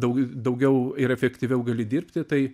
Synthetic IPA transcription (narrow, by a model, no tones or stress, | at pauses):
dɐʊd̪ɐʊɡʲɛʊɪɾɛfʲɛkt̪ʲiʋʲɛʊɡɐlʲɪd̪ʲiːrʲpʲt̪ʲɪt̪ɐɪ